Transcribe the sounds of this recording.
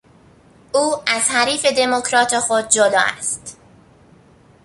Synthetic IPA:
ʔuːæz̥hæɾiːfe̞d̪e̞mokʰɾɒːt̪ʰexod̪̚d͡ʒolɒ̰ːæ̰st̪

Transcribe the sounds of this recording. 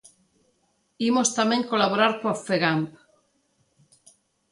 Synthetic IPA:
imost̪amẽŋkolaβoɾaɾkoafeɣamp

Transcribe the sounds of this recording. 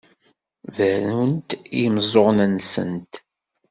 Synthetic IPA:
vənunt̪ijəmzˤoʁnənsə̰nt̪

